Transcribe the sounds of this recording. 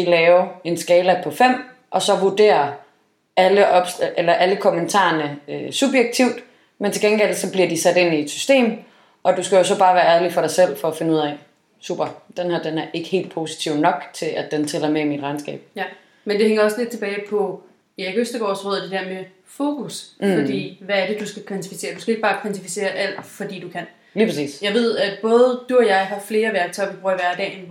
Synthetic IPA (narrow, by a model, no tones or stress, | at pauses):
d̥ilɛːʊɐe̝nsɡ̥ɛːləpʰɒ̽fem̰ | ʔɒ̽sɒ̽ʋuɐd̥e̝̰ːɐ | æləʔɒ̽b̥sʔelɐʔæləkʰo̽mənt͡sʰɑ̰̈ɐnəøsub̥jeɡ̥̚t͡sʰiʊd̥ | ment͡sʰeɡenɡ̥el̰sɒ̽b̥liɐd̥isæd̥e̝nie̝d̥sy̥sd̥e̝̰ːm | ɒ̽d̥usɡ̥æjo̝sɒ̽b̥ɑ̈ːʋæːɐæɐlifɒɾɑ̈ɪsel̰fɒ̽æfe̝nəuð̰ˠɛ̰ | sṵːb̥ɐd̥enhæɐ̰d̥enæɐʔe̝ɡ̥ə̥he̝̰ːld̥̚pʰo̝ːsi̥t͡sʰiʊnɒ̽ɡ̥t͡sʰe̝lʔæd̥ent͡sʰɛlɐmeimid̥ʁɑ̈ɪnsɡ̥ɛ̰ːb̥̚jæ | mend̥e̝heŋɐɒ̽sled̥̚t͡sʰe̝b̥ɛːɪpʰɒ̽ | ieɡøsd̥ɐɡ̥ɒ̰ːsʁɔ̽ðˠd̥e̝d̥eɐ̰me | fo̝ːkʰusfɒ̽d̥ḭːʋææɐd̥e̝d̥usɡ̥ækʰʋænt͡sʰi̥fise̝̰ːɐd̥usɡ̥æeɡ̥̚b̥ɑːkʰʋænt͡sʰifi̥se̝̰ːɐʔæl̰d̥fɒ̽d̥ḭːd̥ukʰæn̰ | liːpʰʁɑsḭːsjɑ̈ɪʋe̝ð̞̰ˠæ̥b̥ɔ̽ːð̞ˠd̥uɒ̽jɑ̈ɪɦɑ̈fle̝ːɐʋæɐɡ̥̚t͡sʰɒ̽ɪ̰ɐʋib̥ʁuːɐiʋæɐɡd̥ɛ̰ːen